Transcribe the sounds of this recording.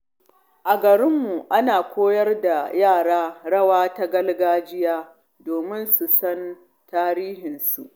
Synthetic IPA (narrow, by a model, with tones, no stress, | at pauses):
ʔa˨ɡɐ˨ɽɪ˦mːu˨ʔa˦naː˨kʷoː˦jɐ˦rda˨jaː˦˨ɽaː˦ɽɐ˦waː˦ta˦ɡɐ˦lɡaː˦d͡ʒɪ˦jaː˦ | doː˨mɪ˦nsu˨sɐ˦n | taː˦ɾiː˦hɪ˨nsu˨ʔ